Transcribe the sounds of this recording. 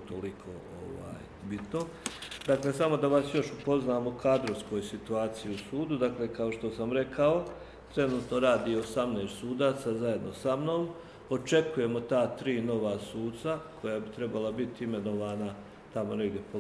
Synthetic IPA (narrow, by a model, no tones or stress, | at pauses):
t̪olikʰo̰ | o̰ʋa̰ːj | bit̪no | d̪akle̞samo̞d̪aʋasjo̞ʃupo̞znaːmokaːd̪ɾoʋsko̞jsit̪uaːt̪sijiusuːd̪ud̪akle̞kao̞ʃt̪o̞samɾe̞kʰao̞ | t̪ɾe̞nuːt̪no̞ɾaːd̪iosamneːst̪suːd̪aːt̪sazaje̞d̪no̞samno̞ːm | o̞t͡ʃe̞kuje̞mo̞t̪aːt̪ɾiːno̞ʋasuːt̪sakʰo̞jaːbit̪ɾe̞balabit̪ime̞no̞ʋaːna | t̪amo̞neɡd̪ʲjepo